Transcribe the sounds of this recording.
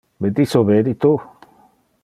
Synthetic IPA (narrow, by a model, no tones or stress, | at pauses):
bet̪isoβed̪it̪u